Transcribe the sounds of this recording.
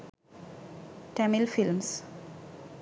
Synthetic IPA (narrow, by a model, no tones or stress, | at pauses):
ʈɛmɪlfɪlms